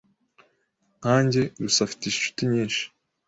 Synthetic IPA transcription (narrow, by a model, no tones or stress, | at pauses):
haːɲɟe̞ɾusafi̥tiʃeʃu̥tiɲiːnʃi̥